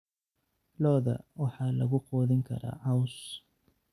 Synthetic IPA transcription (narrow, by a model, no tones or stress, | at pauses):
lɔːðɐ̰wɑħɑːlɐɣʊqɔːðɪŋkʰɐ̰ɾa̰ːhɐws